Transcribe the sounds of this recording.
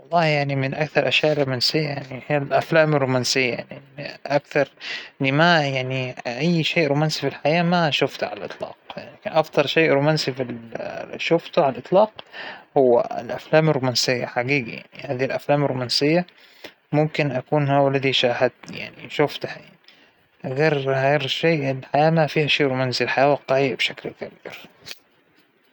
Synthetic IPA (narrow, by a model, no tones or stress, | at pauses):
wɑlˤːɑːhjaʕnimɪnʔakθɑɾˤʔaʃjaːʔɪlːumaːnsɪjːajaʕnihiːalʔaflaːmɪrːumaːnsɪjːaja̰ʕniʔakθɑɾˤlimajaʕniʔajːʃeːʔɾumaːnsifilħajaːmaʃʊft̪ʕa̰lalʔɨt̪ˤlɑ̰ːqjaʕnakɪnʔɑft̪ˤɑɾˤʃeːʔɾumaːnsifilʃʊft̪ʊʕalalʔɨt̪ˤlɑːqhʊwːæ̰ɪ̰lʔaflaːmɪrːʊmansɪjːaħaɡiːɡaja̰ʕnihaːðilʔaflaːmɪɾˤːomansɪjːa | mʊmkɪnʔakuːnhawalːaðiʃaːhad̪nija̰ʕnḭʃʊft̪hjani | ʔaɣɑrhaɾʃeːʔlħajaːmafiːhaʃeːʔɾomæːnsilħajaːwaqːɑiːbʃaklkabḭːɾ